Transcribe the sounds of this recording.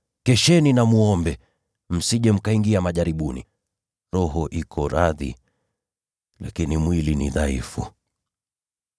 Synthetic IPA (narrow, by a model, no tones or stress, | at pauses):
kɛʃɛninamuɔmbɛ | m̩siʄɛm̩kaiŋɡiamaʄaɾiɓunḭ | ɾɔɦɔʔikʰɔɾaðḭ | lakinimwilinḭðaifṵ